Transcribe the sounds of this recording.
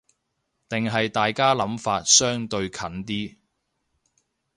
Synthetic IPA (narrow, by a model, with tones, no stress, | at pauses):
t̪ɪ˨ŋɦɐ˨jt̪aː˨jkaː˥lɐ˨˥mfaː˧t̚sœː˥ŋt̪ɵ˧ɥkʰɐ˨˥nt̪iː˥